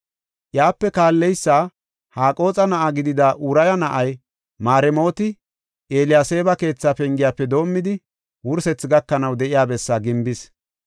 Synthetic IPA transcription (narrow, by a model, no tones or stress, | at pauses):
ʔjaːpːɛkaːlːɛjsːaː | haːkʼo̞ːt͡sʼɐnɐʔaɡɪd̪ɪd̪ɐʔuɾɐjɐnɐʔɐj | maːɾɛmo̞ːt̪ɪ | ʔeːlɪjaːse̞ːbɐke̞ːt͡sːaːpɛŋɡɪjaːpːɛd̪o̞ːmːɪd̪ɪ | wʊɾsɛt͡sːɡɐkːɐnɐwd̪ɛʔɪjaːbɛsːaːɡɪmbɪs